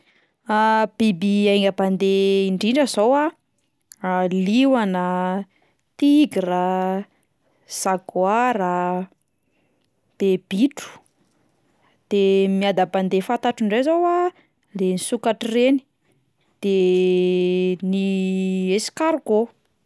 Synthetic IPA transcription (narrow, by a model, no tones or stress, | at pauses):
ab̥ibiajŋɡəband̪eiɳɖ͡ʐiɳɖ͡ʐəzowa | liwanə | t̪iɡiɾa | z̥aɡwaɾə | b̥eb̥iʈ͡ʂu̥ | d̪̥emiad̪aband̪efat̪aʈ͡ʂiɳɖ͡ʐezawa | lenisukaʈ͡ʂireni̥ | d̪̥e | niesi̥kaɾɡo